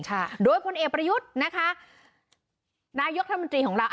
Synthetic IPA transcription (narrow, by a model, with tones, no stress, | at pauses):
ŋt͡ɕʰaː˥˩t̪̚doː˧jpʰo˧nʔeː˨˩k̚pɾa˧ju˦˥t̪̚na˦˥kʰa˦˥ | naː˧˥jo˦˥k̚ɾa˦˥˧o˧nt̪ɾiː˧kʰɔː˩˦ɾaː˧wʔ